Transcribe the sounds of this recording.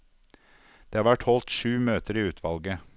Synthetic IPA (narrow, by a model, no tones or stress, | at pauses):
d̪̥eːɑːɾʋæʈhɔlt̪ʃʉːmøːt̪əɾiːʉːt̪ʰʋɑlɡə